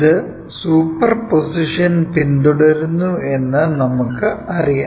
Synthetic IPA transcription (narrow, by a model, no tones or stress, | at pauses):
ðɨ | suːpːɐrposiʂɐnpind̪uɽɐɾunːue̞nːɨnɐmukːɨɐrija